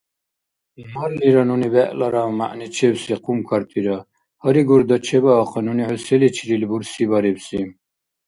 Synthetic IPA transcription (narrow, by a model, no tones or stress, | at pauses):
maɾliɾanunibɛʔlaɾama̰ʔnit͡ʃʰɛbsiqʰumkʰaɾt̪ʰiɾa | hɔɾiɡuɾd̪at͡ʃʰɛbaːqʰɔnuniʕusɛlit͡ʃʰiɾilbuɾsibaɾibsi